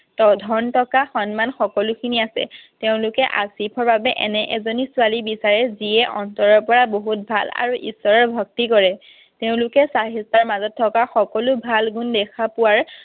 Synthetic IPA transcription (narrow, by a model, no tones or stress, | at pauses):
tdʱɔntɔkaxɔnmanxɔkɔlʊkʰiniasɛ̰teʊ̃lʊkɛʔa̰sipʰɔɹbabɛʔɛ̰nɛʔɛzonisʊwalibisaɹɛziɛʔɔntɔɹɔɹpɔɹaboɦut̚bʱala̰ɹuʔisːɔɹɔɹbʱɔk̚tikɔɹɛ | teʊ̃lʊkɛsaɦistaɹmazɔtʰːɔkaxɔkɔlʊbʱalɡundɛkʰapʊwaɹ